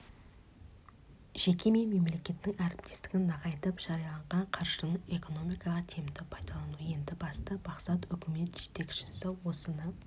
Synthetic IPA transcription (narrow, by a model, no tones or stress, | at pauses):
ʒ̥e̞kʲe̞me̞nme̞mle̞kʲe̞t̪ːɪŋæɾɪp̚t̪ʰe̞st̪ɪɡʲɪnːɑʁɑjt̪əpʒ̥ɑɾijɑlˠɑɴʁɑɴqʰɑɾʒənəe̞ko̞no̞mijkɑʁɑt̪ʰe̞md̪ɪpʰɑjd̪ɑlˠɑnuje̞nd̪ɪbɑst̪əbɑqsɑt̪ʏkʲɪme̞t̪ʒe̞t̪e̞kʲʃɪ̥sɪwo̞sənə